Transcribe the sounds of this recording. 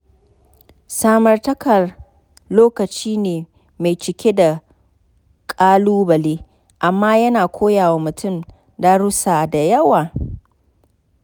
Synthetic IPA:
saː˦mɐ˨rtɐ˦kɐ˨r | loː˦kɐ˨t͡ʃiː˦neː˨ | ma˨jt͡ʃɪ˨kʲe˦da˨ | kʼaː˦luː˦bɐ˨leː˦ | ʔa˨mːaː˦jɐ˦naː˨kʷʰoː˦jaː˨wa˦mʊ˨tʰʊ˦˨m | da˦ɽʊ˦saː˨da˨jɐ˦waː˨

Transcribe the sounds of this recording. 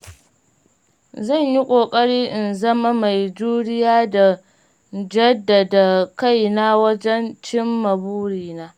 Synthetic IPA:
zɐ˦˨ɲji˦kʷʼoː˨kʼɐ˦ɽiː˦ʔɪ˨nzɐ˦ma˦ma˨jd͡ʒuː˦ɽɪ˦jaː˦da˨ | d͡ʒɐ˦dːa˨da˨ka˦˨jna˦wɐ˦d͡ʒɛ˦nt͡ʃɪ˦mːɐ˨buː˦ɽiː˨naː˦

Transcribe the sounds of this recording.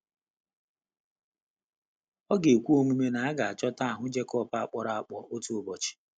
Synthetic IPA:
ɔ˦ɡe˨kʷu˦o˦ŋʷi˦me˦na˨a˦ɡa˨a˨t͡ʃɔ˦ta˦a˨ɦʊ˦d͡ʒe˦kɔ˦˨pa˨a˨k͡pɔ˨ɾa˨a˨k͡pɔ˨ʔo˦tu˦o˦bɔ˨t͡ʃɪ̥˨

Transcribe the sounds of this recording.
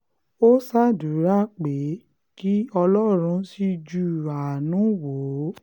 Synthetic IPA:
o˦sa˦du˨˦ɾa˦k͡pe˨˦ | ki˦ɔ˧lɔ˦ɾ̃ũ˧˦si˧d͡ʒu˦˨ɾa˨nũ˨˦wo˨˦

